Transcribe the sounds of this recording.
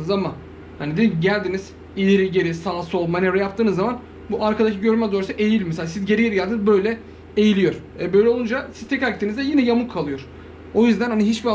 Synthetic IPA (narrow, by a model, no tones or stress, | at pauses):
zama | hanid̪ed̪iɟælʲd̪iniz̥ | ilʲeɾiɟe̞ɾisaːsɯo̞lˠmanɛvɾɛjap̚t̪ʰɯːnɯzːaman | buʔaɾkʰad̪acʰiɟø̞ɾymɛd̪oɾasɯʔe̞jilʲmɛselʲasizɟe̞ɾijeɾiɟælʲd̪inizbø̞jlʲɛ | ejilʲijo̞ɾ̥ | ɛbøjlʲɛound͡ʒasizt̪ʰɛcacet̪ʰinizd̪ɛjinɛjamukʰːalˠɯjo̞ɾ̥ | o̞jyzd̪ænhaniɦit͡ʃbia